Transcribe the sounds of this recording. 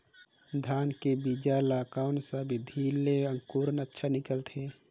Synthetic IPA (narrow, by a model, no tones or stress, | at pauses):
d̪ʱaːnkebid͡ʒalaːkaːʊnsabʱid̪ʱiːlːeə̃ŋkuːɾənətːʃʰanɪkəlt̪ʰe